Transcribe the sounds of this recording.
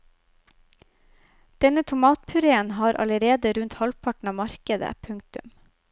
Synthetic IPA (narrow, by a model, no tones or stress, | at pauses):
d̪̥ɛnət̪ʰʊmɑːt̪̚pʰʉɾeːənhɑːɾʔɑ̰ləɾeːd̪əɾʉnt̪hɑlpʰɑʈɳ̩ɑːmɑɾkəd̪ə̰pʰʉŋt̪ʉ̰m